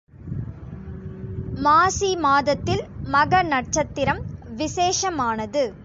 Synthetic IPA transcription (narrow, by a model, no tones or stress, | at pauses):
maːsimaːðɐt̪ːɪlmɐɣɐnɐʈ̚t͡ʃɐt̪ːɪɾɐmʋɪseːʂɐmaːnɐðɯ